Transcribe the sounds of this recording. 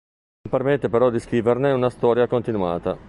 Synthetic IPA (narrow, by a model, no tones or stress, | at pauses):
ompermet̪ːepeɾɔd̪iskɾiːverneunast̪ɔːɾjakont̪inua̰ːt̪a